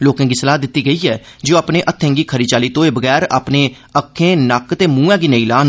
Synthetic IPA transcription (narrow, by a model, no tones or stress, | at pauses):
loːkãːɡiːsəlaːd̪ɪt̪ːiːɡəiːɛː | d͡ʒoːaːpnẽːʔət̪ʰːɛ̃ːŋɡiːkʰəɾiːt͡ʃaːliːt̪õːeːbəɡɛːɾa̰ːpneː | əkʰːẽːnəkt̪eːmũːɛ̃ːɡiːnəĩːlaːn